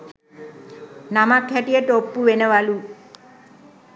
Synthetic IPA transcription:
namakʰːaʈijəʈopːuʋenɐʋalu

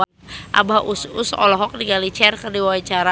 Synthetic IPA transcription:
ʔa̰baʔususɔ̰lɔɦɔk̚diɡalit͡ʃɛrkərdiwawat͡ʃaɾa

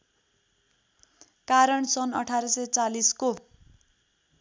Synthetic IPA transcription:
kaɾʌɳsʌnʌʈʰaɾʌsʌjt͡salisko

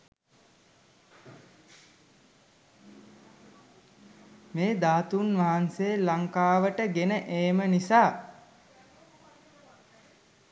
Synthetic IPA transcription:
meːd̪aːt̪unʋaɦanseːlaŋkaːʋəʈəɡenəʔeːmənisaː

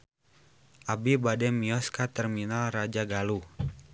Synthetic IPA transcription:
ʔabibadɛmiɔskat̪ɛrminalrad͡ʒaɡalu

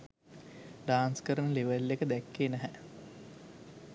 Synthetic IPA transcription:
ɖaːnskəɾənəleʋəlːekəd̪ækːeːnæɦæ

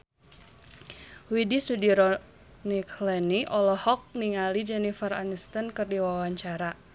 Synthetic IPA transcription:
widisudiɾɔ | nikʰlɛniʔɔlɔhɔk̚niŋalid͡ʒɛnifəra̰nəst̪ənkɨrdiwawaɲt͡ʃaɾa

